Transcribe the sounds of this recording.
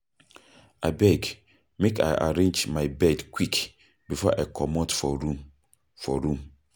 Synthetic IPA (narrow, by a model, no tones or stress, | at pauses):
ʔabɛɡ | meka̰ɪʔa̰ɾẽnd͡ʒmaɪbɛdkʰwik | bifɔʔakʰɔmɔtfɔɾu | fɔɾũm